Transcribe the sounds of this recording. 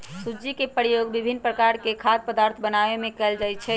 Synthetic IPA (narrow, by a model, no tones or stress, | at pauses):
sud͡ʒikepəɾijoɡbibʱinːpɾəkaɾkekʰad̪̚pəd̪aɾt̪ʰbənaʋemẽkɛld͡ʒajt͡ʃʰɛ